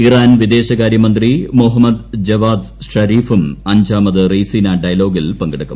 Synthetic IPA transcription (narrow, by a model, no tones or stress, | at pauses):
iraːnʋid̪e̞ːɕɐɣaːɾjɐmɐnd̪rimuɦɐmɐd̪d͡ʑɐʋaːd̪ | ʂɐɾiːfumɐɲd͡ʑaːmɐðɨriːsiːnaːɖɐjɐlo̞ːɡilpɐŋɡiɽɐkːu̥̰m